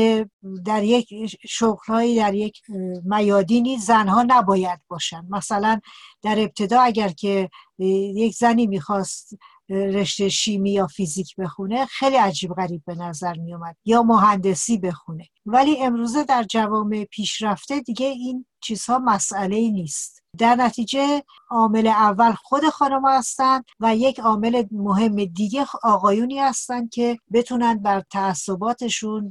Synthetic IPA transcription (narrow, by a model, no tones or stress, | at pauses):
ed̪æɾje̞cʰʃoɣlhɒːjiːd̪æɾje̞cʰmæjɒːd̪iːniːzænɦɒːnæbɒːjæd̪̚bɒːʃænd̪mæsælænd̪̥æɾe̞b̚t̪ʰe̞d̪ɒːæɟæɾcʰe̞ | jecʰzæniːmiːxɒːst̪ | ɾe̞ʃt̪eʃiːmiːjɒːfiziːcʰbe̞xune̞xejliæd͡ʒiːbɣæɾiːb̚ːe̞næzæɾmijɔːmæd̪̥jɒːmoɦænd̪e̞siːbe̞xune̞væliːe̞mɾuːze̞d̪æɾd͡ʒævɒːme̞pʰiːʃɾæft̪e̞d̪iɟe̞int͡ʃʰiːz̥hɒːmæsæle̞iːniːst̪ | d̪æɾnæt̪ʰiːd͡ʒe̞ | ɒːme̞le̞ævːælxo̞d̪e̞xɒːnomhæst̪ænd̪̥væje̞cʰɒːme̞lemoɦe̞mːe̞d̪iɟe̞ɒːɣɒːjuːniːhæst̪ænd̪̥̚cʲʰe̞be̞t̪ʰuːnænd̪̚bæɾt̪ʰæːsːo̞bɒːt̪ʰe̞ʃun